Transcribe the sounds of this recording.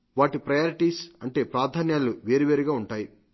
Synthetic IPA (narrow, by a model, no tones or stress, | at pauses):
ʋaːʈipɾɐjaːɾiʈiːsɐɳʈe̞ːpɾaːd̪ʱaːnjaːluʋeːɾiʋeːɾiɡaːuɳʈaːji